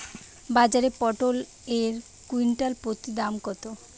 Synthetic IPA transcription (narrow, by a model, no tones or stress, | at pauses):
bad͡ʑaɾepɔʈol | eɾ | kuiɳʈalpot̪id̪amkɔt̪o